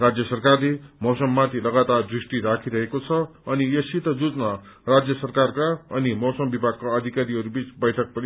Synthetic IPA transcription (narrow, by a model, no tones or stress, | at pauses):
rad͡zjʌsʌrkarlemʌwsʌmːat̪ʰilʌɡat̪ard̪risʈiɾakʰiɾʌɦekot͡sʰʌʌnijʌsit̪ʌd͡zud͡zna | rad͡zjʌsʌrkarkaʌnimʌwsʌmbibʱaɡ̚kaʌd̪ʱikaɾiʌɾubit͡sbʌjʈʰʌk̚pʌni